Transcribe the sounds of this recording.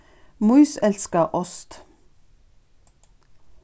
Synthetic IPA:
muʏsɛlskəʔɔst̪

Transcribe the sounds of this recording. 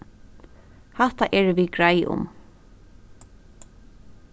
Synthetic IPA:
haht̪aʔɛɹʋiɡɹajʔʊ̰m

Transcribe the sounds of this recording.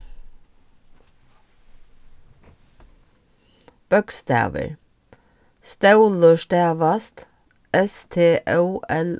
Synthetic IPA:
b̥ɔɡst̪æ̰ːʋə̰ɹ | st̪ɑʉlɔʃʈæːʋɑst̪ | ʔɛst̪ʰeːʔəʔɛl

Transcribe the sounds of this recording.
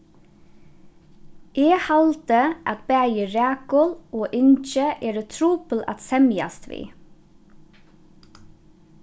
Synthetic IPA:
ʔeːhɑlt̪əʔɑt̪bæːjəɾæːkɔloːʔɪnt͡ʃəʔeːɾət̪ʰɾuːpəlʔɑ̰t̪sɛmjɑ̰st̪ʰʋḭː

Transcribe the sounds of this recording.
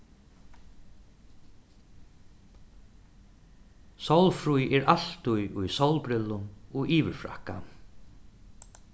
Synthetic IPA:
sawlfɾujɛɾʔal̥t̪ʊjʊjsawlpɾɪlːʊnɔɣiːʋɪɾfɾa̰hka̰

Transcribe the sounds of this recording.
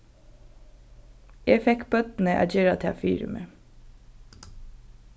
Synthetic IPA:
ʔeːfɛkbœd̪n̩əʔæ̰çøːɾɑt̪ʰɛfḭːɾʉ̰mʔə

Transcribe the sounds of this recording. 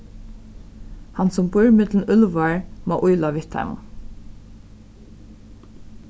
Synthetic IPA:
hɑnsɔmbʊɹmɪd̪ln̩ʉlʋaɹmɔ̰ːʔʊjlaʋɪht̪ʰa̰m̰

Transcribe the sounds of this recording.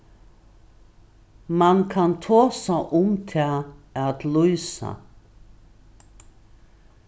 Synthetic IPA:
mankʰant̪ʰoːsaʔʊmt̪ʰɛaat̪lujsa̰

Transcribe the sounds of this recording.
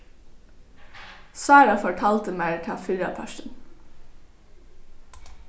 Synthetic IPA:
sɑːɾɑfɔʈʰɑːlt̪əmæɹtʰɑːfʏɾɑ̰pʰœʃən

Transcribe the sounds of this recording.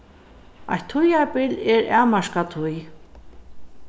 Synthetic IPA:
a̰jt̪ʰːʊjapɪlɛɾaːmaʃkat̪ʰʊj

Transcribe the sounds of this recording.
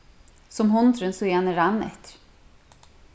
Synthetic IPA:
sɔmɦɔnt̪ɾənsɔɛhanɛɾanːɛ̰t̪

